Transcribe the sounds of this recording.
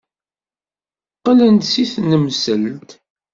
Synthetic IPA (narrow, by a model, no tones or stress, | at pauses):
qːələnt̪siθnəmsəlt̪